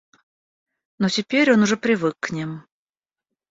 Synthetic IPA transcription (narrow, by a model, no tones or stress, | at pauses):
notʲɪpʲeɾʲonʊʐɛpɾʲɪvɨkːnʲim